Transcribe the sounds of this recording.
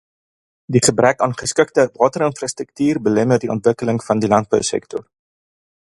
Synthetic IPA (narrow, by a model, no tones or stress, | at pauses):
diχəbrɛkɑːnχəskək̚təvɑːtərənfrɑstrək̚tiːrbəlɛmərdiɔ̰ntvəkələŋfɐndilɐnt̚bœ̰wsɛ̰k̚tɔ̰r